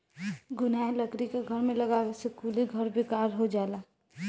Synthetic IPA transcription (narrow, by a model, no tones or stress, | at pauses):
ɡʊnaeləkɾikeɡʱəɾmeləɡawesekuliɡʱəɾbʱikaɾɦod͡ʒala